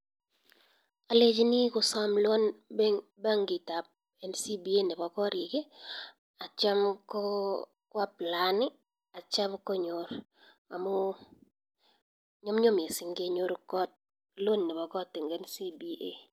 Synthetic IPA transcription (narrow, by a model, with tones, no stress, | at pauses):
a˨le˦d͡ʒni˦kʊ˨sa˦mlwo˦nbe˦ŋba˦ŋɡi˨ta˨p̚ | ɛ˨nsi˦bi˦e˦nɛ˨bɔ˨kɔ˦ɾi˨ɡe˦ | a˨t͡ʃa˦mkɔ˦ | kwa˦pla˨nɪ˦ | a˨t͡ʃa˦bkɔ˦ɲo˨ɾ | a̰˨mʊ˦ | ɲɔ˦mɲo˦m˨e˨sɪ˨ŋɡe˦ɲo˦ɾkɔ˦t̚ | lwo˦nːɛ˨bɔ˨kɔ˦tːɪ˨ŋɡɛ˦nsi˦bi˦e˦